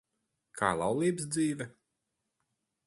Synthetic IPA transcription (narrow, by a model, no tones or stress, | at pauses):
kʰa̰ːlˠawlˠiːbs̬d̪ziːvʲɛ